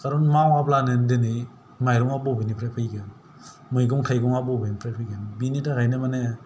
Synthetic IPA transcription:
kaɾɔnmawaplanendeni | majɾɔŋabɔbijnipʰɾajpʰɯjɡan | mɯjɡɔŋkʰajɡɔŋabɔbinipʰɾajpʰɯjɡanbinitaɡajnemane

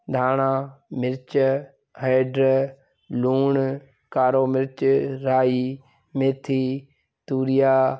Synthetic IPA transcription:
d̪ʱaːɽaːmɪɾt͡ʃ | heːɖɾ | luːɳ | kaːɾoːmɪɾt͡ʃɾaːiː | met̪ʰiː | t̪uːɾɪjaː

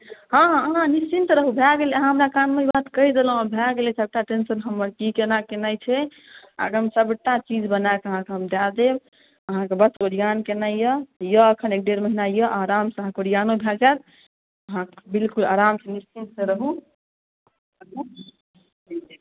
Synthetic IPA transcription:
ɦãɦãnist͡ʃint̪ɾəɦubʱɛɡelɛəɦãɦəmɾakanmeibat̪kəid̪el̃ãbʱɛɡelesʰəb̚ʈaʈensənɦəmːəɾkikenakenajt͡ʃʰɛ | a̰ɡəmsəbʈ̪at͡ʃid͡ʒbənaekəɦãkeɦəmd̪ad̪eb | əɦãkebəsoɽijankenajəjəəkʰənek̚ɖeɾməɦinajəʔaɾamsaɦkoɽijanobʱɛld͡ʒat̪ | əɦãbilkulaɾamsʰɛnist͡ʃint̪seɾəɦu | ɦu

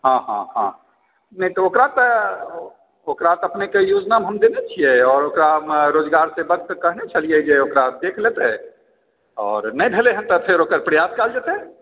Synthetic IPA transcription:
ɦãɦã̰hã̰ | nəɦĩt̪ɔokɾat̪ɔ | okɾat̪əpnekejud͡ʒnamɦəmd̪enet͡ʃʰijɛɔːɾokɾamɾod͡ʒɡaɾsebəɡ̚t̪kəɦnet͡ʃʰəlijɛd͡ʒeokɾad̪ekʰlet̪ɛ | ɔːɾnɛjbʱeleɦəmt̪əpʰeɾokəɾpɾəjaskald͡ʒat̪eɦ

